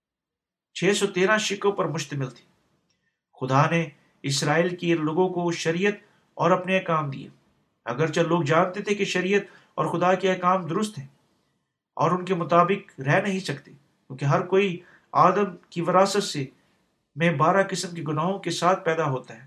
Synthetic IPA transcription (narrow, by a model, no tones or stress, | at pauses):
t͡ʃʰeːsɔt̪eːɾãʃɪkõpɐɾmʊʃt̪əmɪlt̪ʰi̥ː | xʊd̪ane | ɪsɾaːiːlkeloːɡõkoʃɐɾiːjət̪̚ | ɔːɾɐpneekaːmd̪ḭja̰ː | ɐ̰ɡəɾt͡ʃɐloːɡ̚d͡ʒaːnt̪et̪ʰekeʃɐɾijət̪ | ɔ̰ːɾxʊd̪akeɛkaːmd̪ʊɾʊst̪ɦɛ̃ː | ɔ̰ːɾʊnkemʊt̪aːbɪkɾɛːnɐɦĩsɐkt̪eː | kjũːkeɦɐɾkoːi | aːd̪əmkiʋɐɾaːsət̪se | mẽbaːɾakɪsəmkeɡʊnaːɦõkesaːt̪̚ʰpɛːd̪aɦoːt̪aɦɛː